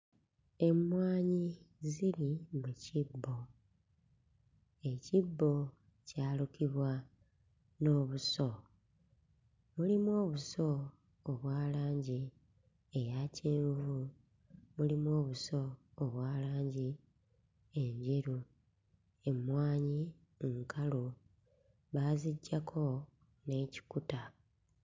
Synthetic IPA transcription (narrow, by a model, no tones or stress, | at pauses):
e̞mwaːɲiziɾimucibːo̞ | e̞cibːo̞ | caːlukiβwa | no̞ːβuso̞ | mulimwo̞ːβusoː | βwaːlaːɲɟi | ejaceːɱvu | mulimo̞ːβuso̞ːβwaːlaːɲɟi | e̞ɲɟeɾu | e̞mwaːɲi | ŋkʰalu | βaːziɟːakʰo̞ | ne̞ci̥kuta